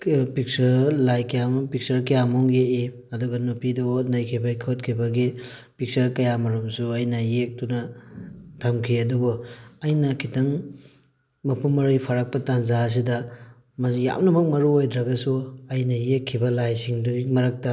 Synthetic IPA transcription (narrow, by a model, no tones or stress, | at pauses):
pik̚sɐɾlajkɐjampik̚sɐɾkɐjamɔŋjeʔi | ɐduɡɐnupidɐonɐjkʰibɐkʰot̚kʰibɐɡi | pik̚sɐɾkɐjamɐɾumsuɐjnɐjek̚tunɐ | tʰamkʰiɐduɡoɐjnɐkʰitɐŋ | mɐpʰunmːɐɾɯjpʰaɾak̚pɐtanzaɐs̬idɐ | mɐja̰wnɐmɐk̚mɐɾuojdɾɐɡɐsuɐjnɐjekʰːibɐlajsiŋduimɐɾak̚ta